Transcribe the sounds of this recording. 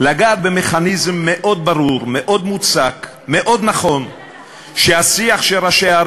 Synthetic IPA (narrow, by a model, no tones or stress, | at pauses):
laɡaːt̪̚bemeχanizmːeʔo̞d̪̚baɾuɾmeʔo̞d̪mut͡sak | meʔo̞d̪naχo̞n | ʃeasiaχʃeɾaʃeaɾ